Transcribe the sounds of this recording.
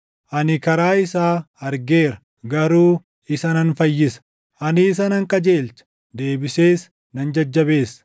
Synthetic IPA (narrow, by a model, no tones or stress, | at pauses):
ʔɐnɪkɐɾaːɪsaː | ɐɾɡe̞ːɾɐ̥ | ɡɐɾuː | ɪsɐnɐnfɐjːɪsɐ̥ | ʔɐnɪːs̬ɐnɐŋkʼɐd͡ʒe̞ːlt͡ʃɐ̥ | d̪e̞ːbɪseːs | nɐnd͡ʒɐd͡ʒːɐbe̞ːsː